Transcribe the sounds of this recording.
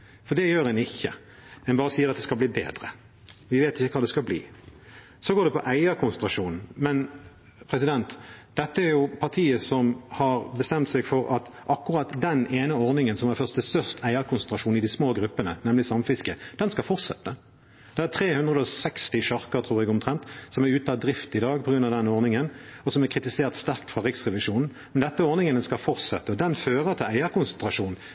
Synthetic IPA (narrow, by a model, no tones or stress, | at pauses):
fɔd̪ɛjøːɾɛnɪçːə̰ | hɛnbɑːɾəsiːəɾɑt̪d̪ɛskɑlbliːbḛːd̪ʁə̰ | ʋɪʋeːt̪ɪçəkʰɑːd̪ɛskɑlblḭː | sɔɡoːd̪ɛpʰɔ̰ʔæɪɑkʰʊnsənt̪ɾɑʂuːnn̩mɛn | pʰɾɛsɪd̪ɛnt̪d̪̥ɛt̪ːəæɾjʊpʰɑt̪ʰiːəsɔmhɑɾbəst̪ɛmt̪sɛɡfɔɾɑt̪ʔɑkːʊʁɑːt̪d̪ɛneːnəɔʁnɪŋənsɔmæɾfœɾstd̪ɛst̪œʁʂt̪æɪɑkʰʊnsɛnt̪ɾɑʂuːn̩ɪd̪ɪsmoːɡɾʉpːənənɛmlɪsɑmfɪskəd̪̥ɛnskɑlfɔʁt̪sɛt̪ːə | d̪̥ɛæt̪ʰʁeːhʉnd̪ʁəd̪əɔsɛkst̪ɪʃɑʁkəɾt̪ʰʁuːɾɛɡʊmt̪ʰʁɛnt̪sɔmæɾʉːt̪əɑd̪ɾɪft̪ɪd̪ɑːɡ̚pʰɔɡɾʉnɑʋd̪ɛnɔʁnɪŋənɔsɔmæɾkʰʁɪt̪ɪseːʁt̪st̪æʁk̚t̪fʁɑʁɪksʁɛʋɪʂuːnn̩ | mɛnd̪ɛt̪ːəɔʁnɪŋənəskɑfɔʁt̪sɛt̪ːəɔd̪ɛnføːɾət̪ʰɪlæɪəɾkʊnsɛnt̪ɾɑʂuːnn̩